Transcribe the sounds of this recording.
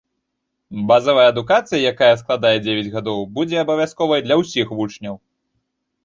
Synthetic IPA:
bazɐvɐjɐːd̪ukat̪sɨjɐjakajɐsklˠad̪ajɛd͡zʲevʲɛd͡zʲɣad̪ɔwbud͡zʲɛɐbɐvʲaskɔvɐjd̪lʲɐwsʲixvut͡ʂnʲɐw

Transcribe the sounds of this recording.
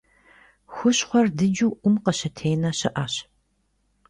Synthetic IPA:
xʷʊɕχʷɔrdɨd͡ʒuwʔʷʊmqɐɕɐtʰeːnɐɕɐʔaːɕ

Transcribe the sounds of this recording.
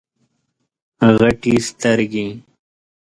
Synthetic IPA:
ɣɐʈist̪ɐɾɡi

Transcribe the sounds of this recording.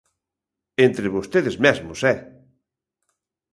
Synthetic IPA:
ent̪ɾeβost̪eðezmɛzmʊsɛ

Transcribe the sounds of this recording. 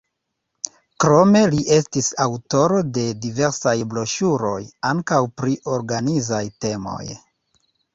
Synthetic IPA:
kɾo̞me̞liʔe̞stisawto̞ɾo̞de̞dive̞ɾsajblo̞ʃuɾo̞jaŋkawpɾiʔoɾɡanizajte̞mo̞̰j

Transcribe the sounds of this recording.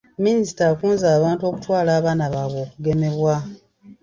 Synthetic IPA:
minisi̥takuːnzaːβaːntuo̞ːku̥twaːlaːβaːnaβaːβo̞ːkuɡe̞me̞βwa

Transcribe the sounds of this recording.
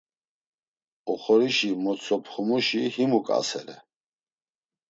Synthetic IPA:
uχɔɾiʃimɔsʰʼɔpʰχumuʃihimukʼa̰sɛɾɛ̰

